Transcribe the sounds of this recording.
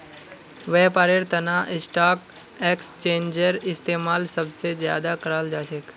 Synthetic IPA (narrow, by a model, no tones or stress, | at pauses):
ʋeːpaːɾeɾt̪ɐnaʔɪsʈaːk | eːkst͡ʃẽːnd͡ʒəɾɪst̪eːmaːlsəbsezja̰ːd̪akəɾaːld͡ʒaːʃek